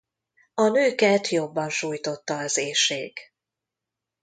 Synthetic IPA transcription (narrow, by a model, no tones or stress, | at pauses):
ɒnøːkɛt̪jo̞bːɒnʃuːjt̪o̞t̪ːɒːzeːʃeːk